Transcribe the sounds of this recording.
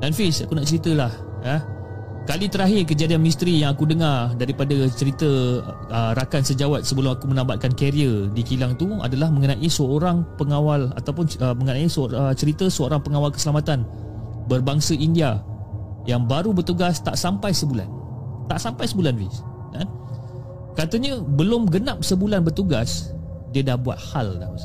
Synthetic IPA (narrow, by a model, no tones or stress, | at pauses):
danfisakunaʔt͡ʃəɾit̪əlah | jə | kalit̪əɾaɦɪrk̬əd͡ʒadianmis̬t̪ɾijaŋakudəŋardaɾipadat͡ʃəɾit̪ə | ərakansəd͡ʒawat̪̚səbəlumakumənãmbat̪̚kankɛɾiədikilaŋt̪ua̰dalahmə̃ŋənãʔisəoɾaŋpəŋawala̰t̪awpʊnəməŋənaisəoət͡ʃəɾit̪əsəoɾaŋpəŋawalkə̥səlamat̪an | bərbaŋsəindia | jaŋbaɾubərt̪uɡast̪a̰ʔsampajsəbula̰nt̪aʔsampajsəbulanvḭs | nan | kat̪əɲə̃bəlʊmɡənap̚səbulanbərt̪uɡas | diədahbua̰t̪̚haldamas